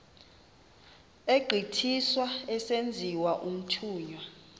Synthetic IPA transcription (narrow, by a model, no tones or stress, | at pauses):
eɡ͡ǃʱitʰiswaɛsend͡zʱiwaʔum̩tʰuːɲwa